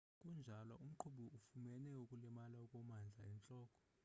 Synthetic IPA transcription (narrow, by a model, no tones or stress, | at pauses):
kʼund͡ʒʱalwa̰ʔum̩ǃʰuɓuufumɛnɛukʼulɛmalaukʼɔmand͡ɮʱaɛnt͡ɬʼɔːkʼɔ̥